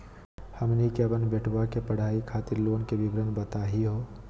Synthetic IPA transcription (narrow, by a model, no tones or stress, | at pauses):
həmnikjaːbənbeːʈʰʋakepəɽ̤ʱaːikʰaːt̪ɪɾloːnkebɪbɾənbət̪aːɦiɦoː